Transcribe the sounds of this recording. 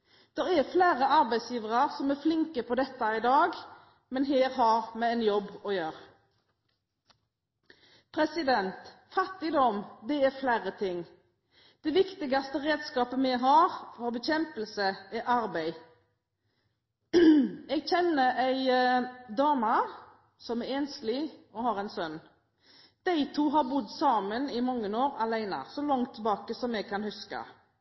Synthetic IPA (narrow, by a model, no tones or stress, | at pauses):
d̪̥ɛʁɛfleːɾəɑɾbæɪsjiːʋəʁɑʁsɔmæʁflɪŋkəpʰɔd̪ɛt̪ːɑɪd̪ɑːɡ | mɛnɦeːɾɦɑʁmɛɛnjɔbːɔjøːɾ | pʰɾɛsɪd̪ɛnt̪fɑt̪ːɪd̪ɔmd̪ɛɛflæɪɾət̪ʰɪŋː | d̪̥ɛʋɪkt̪ɪɡɑst̪əʁeːd̪skɑːpəmɛɡɦɑːʁfɔɾbɛçɛmpəl̩səɛɾʔɑɾbæɪ | ɛɡçɛnːəæɪd̪ɑːmə | sɔmɛɾeːnslɪɔhɑɾɛɪnsœnː | d̪̥æɪt̪ʰuːɦɑɾbʊd̪sɑːmənɪmɔŋːənoːɾɑlæɪnə̰sɔlɑŋt̪ʰːɪlbɑːkəsɔmɛɡ̚kʰɑnhʉskɑ̰